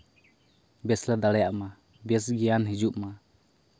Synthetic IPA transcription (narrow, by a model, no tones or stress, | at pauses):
bɛslad̪aɽɛjaʔma | bɛsɡɛjanɦid͡ʒuʔma